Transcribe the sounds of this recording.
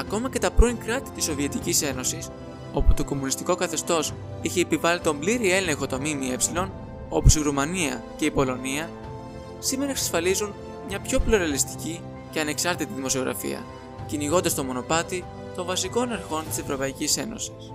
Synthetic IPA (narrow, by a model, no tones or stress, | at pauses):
ɐko̞mɐce̞t̪ɐpɾo̞iŋkɾɐt̪i̥t̪iso̞vie̞t̪icise̞no̞sis | o̞put̪o̞ko̞munist̪iko̞kɐθe̞st̪o̞s | içe̞ːpivɐlit̪o̞mbliɾie̞le̞ŋxo̞t̪o̞mimie̞psilo̞n | o̞posiɾumɐniɐ̰ce̞ipo̞lo̞niɐ | sime̞ɾɐeksɐ̥sfɐlizun | mɲɐpço̞ploɾɐlist̪i̥ci | ce̞ɐne̞ksɐɾt̪it̪iðimo̞sio̞ɣɾɐ̰fḭɐ̰ | ciniɣo̞nd̪ɐst̪o̞mo̞no̞pɐt̪i | t̪o̞ɱvɐsiko̞nɐɾxo̞nt̪i̥se̞vɾo̞pɐicise̞no̞̰si̥s